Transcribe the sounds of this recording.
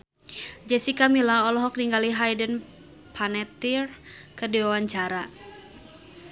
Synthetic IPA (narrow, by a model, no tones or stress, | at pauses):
d͡ʒɛsikamilaɔlɔɦɔk̚niŋɡaliɦajdən | pʰanɛt̪irkədiwawaɲt͡ʃaɾa